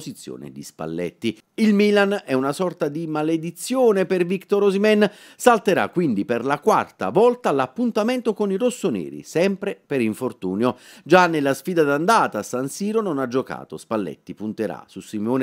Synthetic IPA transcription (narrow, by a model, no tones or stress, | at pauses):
szit̪sːjo̰ːnḛd̪ḭspa̰lːɛ̰t̪ːi | ilmilanɛunasɔrt̪ad̪imaled̪it̪sːjoːnepervikt̪oɾozimɛn | salt̪eɾa̰kːwind̪iperlakwa̰rt̪a̰vɔlt̪alapːunt̪ament̪okonirosːonɛ̰ːɾḭsɛmpɾepeɾiɱfort̪uːnjod͡ʒanːelːasfiːd̪ad̪and̪aːt̪asansiːɾononad͡ʒːoka̰ːt̪ospalːɛ̰t̪ːipunt̪eɾa̰susːimoːn